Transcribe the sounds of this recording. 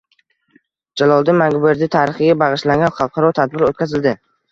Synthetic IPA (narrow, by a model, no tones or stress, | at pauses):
d͡ʒalˠɒlˠd̪ɪmaŋɡʊbeɾd̪ɪt̪ʰaɾɪχɨɡʲabɑʁɨʃlaŋɡʲanχɑlˠqʰɑɾɒt̪ʰad̪̚bɪɾot̪kʲʰazɪld̪ɪ